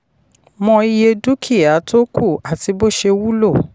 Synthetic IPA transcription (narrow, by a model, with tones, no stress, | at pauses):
mɔ̃˧i˧je˧du˦kʰi˦˨a˨˦to˦kʰu˦˨a˨ti˧bo˦ʃe˧wu˦lo˦˨